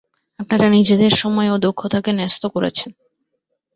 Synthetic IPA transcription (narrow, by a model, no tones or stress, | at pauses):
ap̚naɾanid͡ʑed̪eɾʃɔmɔeod̪okʰːot̪ʰakenɛst̪okoɾḛt͡ɕʰen